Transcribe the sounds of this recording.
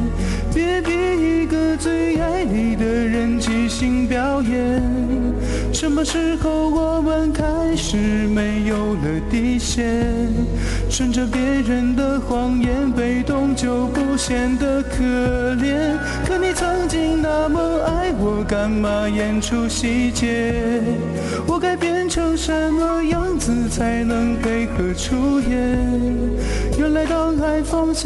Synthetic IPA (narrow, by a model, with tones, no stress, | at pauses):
pjɛ˧˥pjɛ˧˥i˧˥ɡə˧t͡swe˥˧ɪa˧˥ɪli˨˩d̪ə˧ɻə˧˥nt͡ɕʰi˧˥ɕi˥ŋpjɑ˧˥ʊjɛ˧˥n | ʂə˧˥nmə˧ʂɻ̩˥˧xo˧˩ʊwɔ˨˩mə˧˦nkʰa˦˥ɪʂɻ̩˨˩me˥ɪjo˨˩ʊlə˩t̪i˧˩ɕjɛ˥ | ʂə˧˩nʈ͡ʂə˧pjɛ˧˥ɻə˧˥nd̪ə˧xwɑ˧˥ŋjɛ˧˥npe˨˩ɪt̪ʊ˧ŋt͡ɕjo˧ʊpu˥˧ɕjɛ˨˩nd̪ə˧kʰɤ˨˩ljɛ˧˥n | kʰɤ˧˥ni˨˩t͡sʰɤ˧˥ŋt͡ɕi˥ŋna˧˥mo˧a˥ɪwɔ˧ka˧˥nma˧˥jɛ˧˥nʈ͡ʂʰu˥ɕi˧˥t͡ɕjɛ˧˥ | wɔ˨˩ka˥ɪpjɛ˥nʈ͡ʂʰɤ˧˥ŋʂə˧˥nmə˧jɑ˥˩ŋd͡zɹ̩˨˩t͡sʰa˧˥ɪnɤ˧˥ŋpe˧˥ɪkʰɤ˧˩ʈ͡ʂʰu˥tjɛ˧˥n | jo˧˥˩la˧˥ɪt̪ɑ˥˧ʊka˧˥ɪfɑ˥ŋɕ